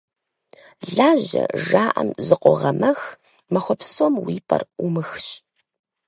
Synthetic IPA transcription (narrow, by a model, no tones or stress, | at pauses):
ɮaːʑɐ̰ʐaːʔɐmzɨqʷʼɔʁɐmɐx | mɐxʷɔpsomwiːpʰʼɐ̰rumɨxɕʼ